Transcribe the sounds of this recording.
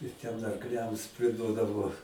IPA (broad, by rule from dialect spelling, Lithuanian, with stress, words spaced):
ɪr tʲɛn ɐrkˈlʲɛms pʲrʲɪˈduɔdɐʋoː